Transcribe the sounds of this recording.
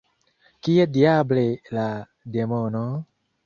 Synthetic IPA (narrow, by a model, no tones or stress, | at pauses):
kiediablela | demono